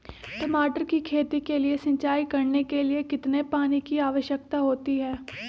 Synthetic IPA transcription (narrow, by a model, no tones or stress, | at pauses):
ʈɐmaːʈəɾkikʰeːt̪ikeliesɐ̃ɲt͡ʃaːikɐɾnekeliekɪt̪nepaːnikiaːʋəʃjək̚t̪aɦoːt̪iɦɛː